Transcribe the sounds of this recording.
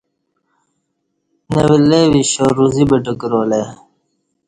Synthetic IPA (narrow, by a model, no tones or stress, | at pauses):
newilewiɕoɾuzibeʈəkɾoːle